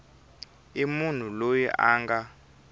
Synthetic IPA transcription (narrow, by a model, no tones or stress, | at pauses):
imun̤ulojiʔaːŋɡa